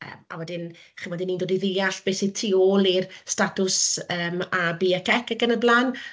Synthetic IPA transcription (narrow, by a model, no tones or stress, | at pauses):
ə̰ːma̰wɛdɪn | χinwɛdɪnːiːndoːdiðɪaɬb̥esið̥tʰiːoːlˠirstatʰʊsəːmabiːəkʰɛkʰəɡənəblˠan